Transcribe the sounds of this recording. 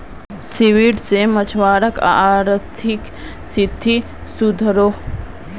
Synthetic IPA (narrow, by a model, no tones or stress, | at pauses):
siʋiɽsemət͡ʃʰʋaːɾəka̰ɾt̪ʰik | sid̪ʱːi | sud̪ʱɾoː